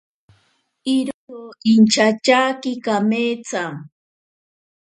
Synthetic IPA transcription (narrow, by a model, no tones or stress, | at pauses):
iɾooint͡ʃat͡ʃaːkɪkameːt͡sa